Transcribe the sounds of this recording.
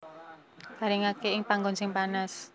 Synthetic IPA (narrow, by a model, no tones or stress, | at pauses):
kaɾɪŋakeɪŋpaŋɡɔnsɪŋpanas